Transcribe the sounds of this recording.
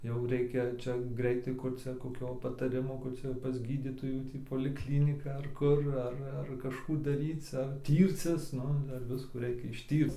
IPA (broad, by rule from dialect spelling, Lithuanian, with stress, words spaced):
jɛʊ ˈrʲɛɪkʲɛ ˈt͡ʃʲɛ ˈɡrʲɛɪtɐɪ kʊr ˈt͡sʲɛ koːˈkʲoː pɐtɐˈrʲɪmoː ˈkʊr ˈt͡sʲɛ jɛʊ pɐs ˈɡʲiːdʲiːtoːjuː ˈtʲiː poːlʲɪkˈlʲiːnʲɪkɐ ɐr ˈkʊr ˈɐr ɐr kɐʃˈkuː dɐˈrʲiːt͡s ɐr ˈtʲiːrʲt͡sʲɪs ˈnʊ ˈdɐr ˈʋʲɪskuː ˈrʲɛɪkʲɛ ɪʃʲˈtʲiːrt͡s